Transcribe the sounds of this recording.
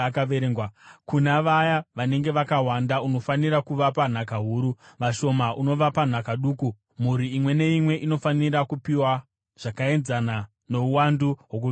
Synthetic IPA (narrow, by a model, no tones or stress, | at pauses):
kaʋeɾeŋɡwakunaʋajaʋane̞ŋɡe̞ʋakaɦwandauno̞faniɾakuʋapan̤akaɦuːɾuʋaʃo̞maʔuno̞ʋapan̤akaɗuːku | m̤uɾiːmwe̞ne̞imwe̞ʔino̞faniɾakupiwa | ʐ̥akae̞nzana | no̞uwanduɦwok̬ui